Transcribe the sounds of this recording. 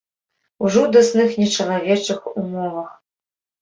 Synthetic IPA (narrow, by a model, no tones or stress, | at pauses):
uʐɔd̪ɐsnɨxnʲɛt͡ʂɐlˠavʲɛt͡ʂɨxumɔvɐx